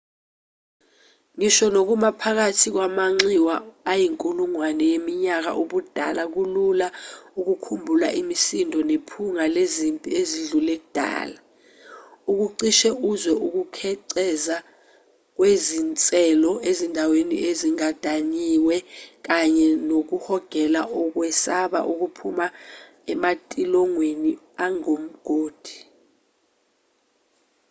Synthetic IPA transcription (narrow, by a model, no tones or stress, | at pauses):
ŋiʃɔnok̬umapʰak̬atʰik̬wamaŋ͡ǀiwaːjiŋkʼuluŋwanɛjemiɲak̬a̰ʔuɓud̥ʱa̰lak̬ululauk̬ukʰumbʱula̰ʔimisindʱɔnepʰuŋalezimpʼieziɮulɛk̬ud̥ʱa̰ːla | uk̬uǀiʃɛuzwɛʔuk̬ukʰɛǀɛza | k̬wezint͡sʼɛlɔezindʱawenḭʔeziŋad̥ʱaɲiwɛk̬aɲɛnok̬uhɔɡ̥ʱɛlaʔɔk̬wɛsaɓa̰ʔuk̬upʰuma | ɛmatʼilɔŋweni | aŋom̩ɡ̥ʱoːd̥ʱi̥